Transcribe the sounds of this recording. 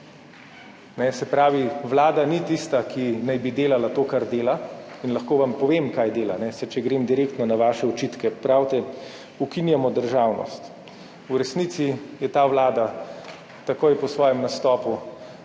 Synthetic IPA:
nɛsɛpɾaːʋiʋlaːd̪anit̪ist̪akʰinajbid̪eːlalat̪oːkaɾd̪eːlainlɐxkoːʋampɔʋemkaːjd̪eːla̰nɛsɛt͡ʃɛɡɾeːmd̪iɾeːkt̪nɔnaʋaːʃɛɔt͡ʃit̪kɛpɾawt̪ɛ | ukinjamɔd̪əɾʒaːwnɔ̰st̪ | uɾɛsnit̪sijɛt̪aːʋlaːd̪a | t̪akoːjpɔsʋɔːjɛmnast̪ɔːpu

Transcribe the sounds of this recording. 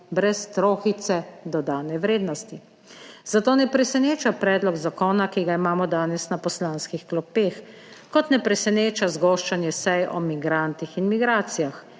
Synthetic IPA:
bɾɛst̪ɾoːxit̪sɛd̪ɔd̪aːnɛʋɾeːd̪nɔst̪i | zat̪oːnɛpɾɛsɛneːt͡ʃapɾɛːd̪lɔɡzakɔːnakiɡaimaːmɔd̪aːnɛsnapɔslaːnskixklɔpeːx | kɔt̪nɛpɾɛsɛneːt͡ʃazɡɔːʃt͡ʃanjɛsɛjɔ̰miɡɾant̪ixinmiɡɾaːt̪sijax

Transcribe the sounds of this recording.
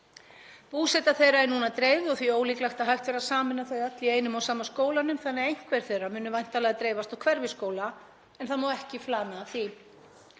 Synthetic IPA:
puːsɛt̪aθejraɛɾnunat̪ɾeːjvɔθvioːwliːklajxt̪aðɦajxt̪vɛːɾasaːmɪnːaθœɥɣat̪lɪeːjnʏmawsaːmaskoːwlanʏmθanːɛejŋ̥kʰvɛɾ̥θejrːamʏːnʏvajn̥t̪alɛɣat̪ɾejvast̪awkʰvɛɾvɪskoːwla | ɛnθaðmoːwɛhcɪflaːnaːθi

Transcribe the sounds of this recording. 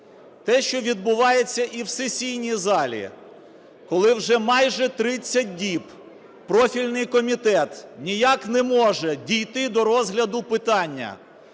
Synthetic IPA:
t̪ɛʃt͡ʃɔʋʲid̪̚bʊʋɑjet͡sʲːɐʔiwsesʲijnʲizɑlʲḭ | kɔlˠɪwʒɛmɑjʒɛt̪ɾɪt͡sʲːɐt̚ʲdʲip | pɾɔfʲilʲnɪjkɔmʲit̪ɛt̪nʲijaknɛmɔʒɛdʲijt̪ɪd̪ɔɾɔzɦlʲɐd̪ʊpɪt̪ɑnʲːɐ̰

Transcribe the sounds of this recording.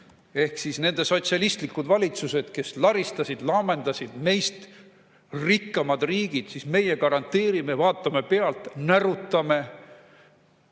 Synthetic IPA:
e̞hksisne̞nd̪̥e̞so̞t̪siɑlʲist̪likːud̪vɑlʲit̪suse̞d̪̥ke̞slɑɾist̪ɑsid̪̥lɑːme̞nd̪̥ɑsʲid̪me̞jst̪ | rikːɑmɑd̪riːɡ̥id̪̥sisme̞jekɑɾɑnt̪ːeːɾimevɑːt̪ːˑɑme̞pe̞ɑlt̪næɾut̪ːˑɑme̞

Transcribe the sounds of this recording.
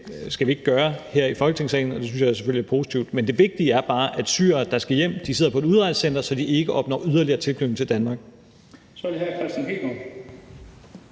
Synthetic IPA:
sɡ̥æʋie̝ɡ̥ːɶːɐheɐ̰ifɒ̽lɡ̥ət͡sʰe̝ŋsɛ̰ɪn̩ɒ̽d̥eynsɕjɑ̈se̥føliæɐpʰo̝ːsi̥t͡sʰiʊd̥mend̥e̝ʋe̝ɡ̥̚d̥iəæɐb̥ɑ̈ːʔæd̥sy̰ːɐɐːd̥ɑ̈sɡ̥æjem̰d̥iseð̰ˠɐpʰɒ̽e̝duð̞ˠʁɑd̥sen̰d̥ɐsɒ̽d̥iʔe̝ɡ̥əʔɒ̽b̥̚nɒ̰ːyð̞ˠɐliɐːt͡sʰelb̥lyʊeŋ̩t͡sʰe̝ld̥ænmɑ̈ɡ̥ | sɒdeɦæɐkʰʁɛsd̥inɡib̥ɒ

